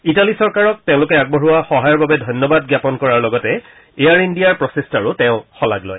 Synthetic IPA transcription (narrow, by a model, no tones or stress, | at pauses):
italisɔɹkaɹɔk̚tẽʊ̃lʊkɛaɡ̚bɔɹuwaxɔɦajɔɹbabɛdʱɔjnːɔbad̚ɡjapɔnkɔɹaɹlɔɡɔtɛ | ejaɹindijaɹpɹɔsestaɹʊtɛʊ̃xɔla̰ɡlɔ̰j